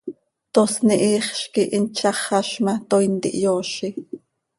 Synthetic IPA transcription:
t̪osniʔiːχʃkiʔint͡ʃɑχɑʃmɑt̪ojnt̪ḭʔjoːʃi

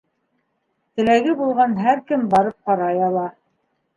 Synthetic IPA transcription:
t̪ɘ̆læɡɘbulˠʁɑnɦæɾkɘmbɑɾɤp̚qɑɾɑjɑlˠɑ

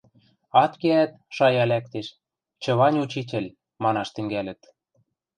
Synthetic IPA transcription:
ɑt̪keæt̪̚ | ʃɑjɑlæk̚t̪eʃ | t͡ɕɤ̆βɑnʲut͡ɕit̬ʲɘ̆lʲ | mɑnɑʃt̪ɘ̆ŋɡælɘ̆t̪

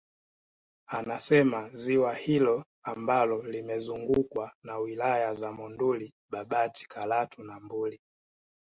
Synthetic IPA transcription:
anasɛmaziwahilɔ | ambalɔlimɛzuŋɡukwanawilajazamɔnduli | ɓaɓati̥kʰalatunambuli

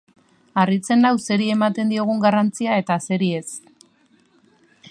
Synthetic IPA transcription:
arit͡se̞nawse̞ɾie̞mat̪e̞nd̪io̞ɣ̞uŋɡarant͡siae̞t̪ase̞ɾie̞s

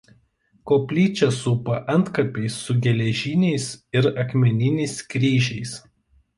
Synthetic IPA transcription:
koːpʲlʲiːt͡ʃʲɛsuːpɐʔɐnt̪kɐpʲɛɪsːʊɡʲɛlʲɛʒʲinʲɛɪsɪɾɐkmʲɛnʲɪnʲɛɪskɾʲiːʒʲɛɪs

